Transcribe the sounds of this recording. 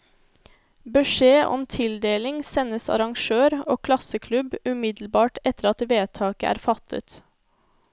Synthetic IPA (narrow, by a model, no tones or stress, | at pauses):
bəʃeːʔɔ̰mt̪ʰɪld̪eːlɪŋsɛnəsɑ̰ɾɑŋʃøːɾoːkʰlɑsəkʰlʉbʉmɪd̪l̩bɑːʈɛt̪əɾɑt̪ʋeːt̪ʰɑːkəʔæ̰ːɾfɑt̪ʰə̰t̪